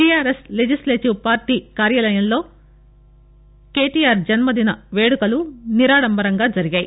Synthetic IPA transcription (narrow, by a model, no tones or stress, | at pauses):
ijaːɾesled͡ʒisleːʈiʋpaːɾʈiːkaːɾjaːlɐjɐmlo̞ː | ke̞ːʈijaːɾd͡ʒɐnmɐd̪inɐʋe̞ːɽukɐluniɾaːɽɐmbɐɾɐŋɡaːd͡ʒɐɾiɡaːji